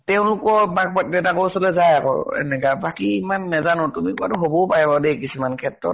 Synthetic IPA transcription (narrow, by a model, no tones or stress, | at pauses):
tɛʊ̃lʊkɔmak̚patdɛtakosɔlɛzajakɔ̰ɹɛ̰nɛkabakiimanːɛzanɔtumikuatʊɦobɔpaɹɛbadɛkisumankʰɛtɹɔ̰t̚